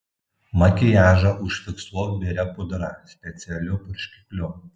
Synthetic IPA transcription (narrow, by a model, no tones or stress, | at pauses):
mɐkʲɪjæːʒɐʊʃʲfʲɪkslˠoːʋʲɛɾʲɛpʊd̪ɾɐsʲpʲɛt̪sʲɪɛlʲʊpʊɾʃʲkʲɪ̥kʲlʲʊ